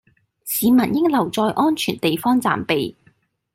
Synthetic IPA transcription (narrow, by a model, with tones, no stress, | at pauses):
siː˨˧mɐ˨˩njɪ˥ŋlɐ˨˩wt͡sɔː˧jʔɔː˥nt͡ʃʰyː˨˩nt̪e˨jfɔː˥ŋt͡sa̰ː˨mpe˨j